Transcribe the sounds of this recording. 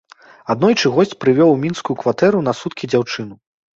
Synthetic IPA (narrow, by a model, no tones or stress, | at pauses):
ad̪nɔjt͡ʂɨɣɔsʲt͡sʲpɾɨvʲɔwmʲinskujukvat̪ɛɾunɐsut̪kʲid͡zʲawt͡ʂɨnu